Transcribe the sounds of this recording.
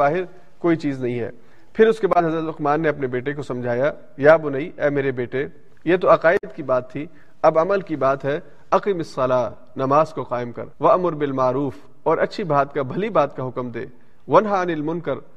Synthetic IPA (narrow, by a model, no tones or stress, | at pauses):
aːɦɪɾ | koːit͡ʃiːznɐɦĩɦɛ̰ː | pʰɪɾʊskebaːd̪ɦɐzɾət̪ʊqmaːnːeɐpnebeːʈek̬osɐ̃md͡ʒʱaːja | jaːbʊnaiʔɛːmeːɾebeːʈe | jet̪̬oɐqaːɪd̪kibaːt̪ʰːi | ɐbɐməlkibaːt̪ɦɛ | ɐqimɪsːɐlaː | nɐmaːzkoqaːɪmkɐ̰ɾʋɐʔmʊɾbɪlmaːɾuːf | ɔːɾʔɐtːʃʰibʱaːt̪kabʱɐlibaːt̪̚kaɦʊkmd̪ḛː | ʋɐnɦaɐnɪlmʊnkəɾ